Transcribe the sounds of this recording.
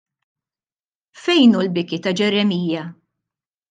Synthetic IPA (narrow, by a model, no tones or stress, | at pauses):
fɛjnulbɪkit̪ɐd͡ʒɛɾɛmiːjɐ